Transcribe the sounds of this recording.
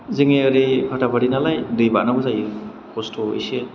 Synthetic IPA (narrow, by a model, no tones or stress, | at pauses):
zeŋeaɾipʰatʰabʰaɾinalajdɯjbanabɯzaj | pʰɔstʰoḛse